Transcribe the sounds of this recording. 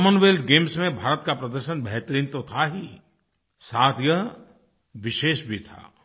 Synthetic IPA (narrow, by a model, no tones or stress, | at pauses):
mənʋeːldɡeːmsmẽbʱaːɾət̪kapɾɐd̪əɾʃənbɛɦt̪əɾiːnt̪ot̪ʰaɦi | saːd̪ʱjəɦ | ʋɪʃeːʃbʱit̪ʰa̰ː